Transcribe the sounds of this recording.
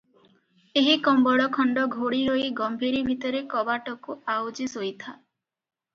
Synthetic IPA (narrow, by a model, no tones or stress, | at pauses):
eɦikɔmbɔɽɔkʰɔɳɖɔɡʱoɽiɾoiɡɔmbʱiɾibʱit̪ɔɾekɔbaʈɔkuawd͡ʒisojt̪ʰa